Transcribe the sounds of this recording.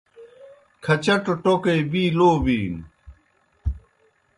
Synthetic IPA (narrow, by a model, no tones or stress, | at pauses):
kʰɐt͡ɕɐʈoʈokejbiːloːbiːn